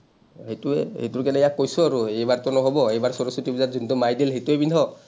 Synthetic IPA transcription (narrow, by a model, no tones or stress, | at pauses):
ɦejtuɛhḛjtuɹkɛnɛjakːojsʊaɹuejbaɹtɔnɔɦɔbɔejbaɹsɔɹosutibizatzuntɔmajdelɦejtuɛbindʱɔ